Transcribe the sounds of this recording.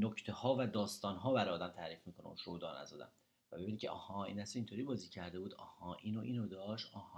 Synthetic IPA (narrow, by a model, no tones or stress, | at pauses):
noct̪ʰehɒːvæd̪ɒːst̪ɒːnɦɒːbæɾɒjɒːd̪æmt̪ʰæːɾiːfmiːkʰonḛṵnʃod̪ɒ̰ːnæ̰zɒ̰ːd̪æ̰m | væbebinicʰeʔɒ̰ːhɒːḭːnæsiʃint̪ʰoɾiːbɒːziːcʰæɾd̪e̞buːd̪ɒ̰ːhɒːʔiːnoʔḭːnod̪ɒːʃt̪ʔɒh